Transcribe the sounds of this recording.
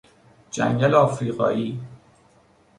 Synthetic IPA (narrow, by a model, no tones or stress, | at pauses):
d͡ʒæ̰ŋɡælɒːfɾiːɣɒ̰ːʔiː